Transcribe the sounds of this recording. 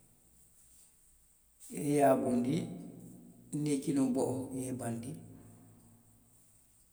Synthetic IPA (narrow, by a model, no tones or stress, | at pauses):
ʔɛjaːɓundi | nekinɔbɔʔɔjɛbandi